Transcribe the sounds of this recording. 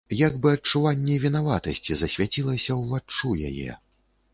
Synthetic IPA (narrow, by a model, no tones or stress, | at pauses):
jaɡbɨɐt͡ʂːuvanʲːɛvʲinavat̪ɐsʲt͡sʲizɐsʲvʲat͡sʲilˠɐsʲɐwvat͡ʂːuja̰jɛ̰